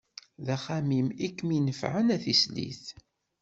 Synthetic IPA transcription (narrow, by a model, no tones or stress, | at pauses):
ðæχæmimikːminəfʕənæθislḭθ